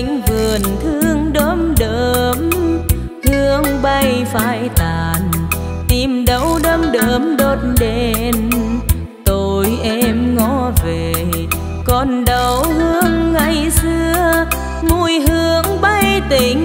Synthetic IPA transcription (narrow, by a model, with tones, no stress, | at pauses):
ŋ̟vɨ˨˩ənt̪ʰɨ˧əŋɗəː˧˦mɗəː˧˨m | hɨ˧əŋɓa˧jfaː˧jt̪aː˨˩n | t̪i˨˩mɗə˨˦wɗəː˧mɗəː˧˨˦mɗo˧˥t̚nɗe˧n | t̪o˧jʔɛ˧mŋɔ˧˦ve˨˩ | kɔ˧˩nɗə˨˧˩whɨ˧əŋːa˧jsɨ˧ə | mu˧jɦɨ˧˥əŋɓa˧jt̪i˨˩ŋ